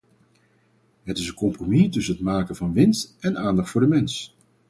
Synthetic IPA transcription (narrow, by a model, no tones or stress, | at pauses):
ɦətɪsənkɔmpromitɵsənətmaːkəvɑnʋɪnstʔɛnaːndɑχtfʊːɹdəmɛns